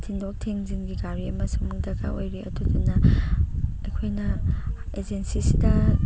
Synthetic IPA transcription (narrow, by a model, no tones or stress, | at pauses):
tʰindok̚tʰeŋziŋɡiɡaɾiɐmɐsumuŋdɐɡa̰ʔojɾeʔɐ̰dudɐnɐ | ɐjkʰojnɐed͡ʒensisidɐ